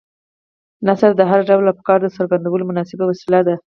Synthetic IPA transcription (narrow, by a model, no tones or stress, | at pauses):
nasaɾd̪əɦaɾaɖawlapə̥kɑɾd̪əsəɾɡand̪awəlomʊnɑsɪbawasilad̪a